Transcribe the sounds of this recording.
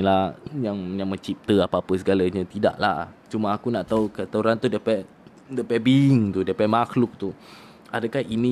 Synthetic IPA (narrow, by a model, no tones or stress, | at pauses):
lajaŋjaŋmə̃ɲt͡ʃip̚t̪əapaapəs̬əɡalaɲãt̪ida̰ʔla̰t͡ʃumaakunaʔt̪aukət̪auɾant̪udiapɛʔ | diapɛʔbiŋt̪udiapɛmakluk̚t̪u | a̰dakahinĩ